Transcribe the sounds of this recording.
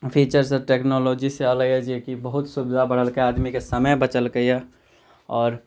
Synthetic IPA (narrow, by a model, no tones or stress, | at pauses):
pʰiːt͡ʃəɾsɔʈeknoloːd͡ʒiseələɛd͡ʒiekibəɦʊt̪subd̪ʱabəɽ̤əlkeaːd̪mikesəməjbət͡ʃəlkəiɛ | ɔːɾ